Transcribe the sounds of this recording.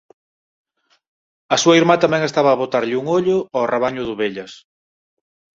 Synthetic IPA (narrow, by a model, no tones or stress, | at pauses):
ɐsuɐiɾmat̪amɛŋest̪aβɐːβot̪aɾʎɪuŋoʎʊɔreβaɲʊðʊβeʎɐs